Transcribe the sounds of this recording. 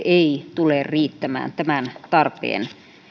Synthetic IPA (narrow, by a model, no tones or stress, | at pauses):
eit̪ulerriːt̪ːæmæ̰ːnt̪æmænt̪ɑrpḛːn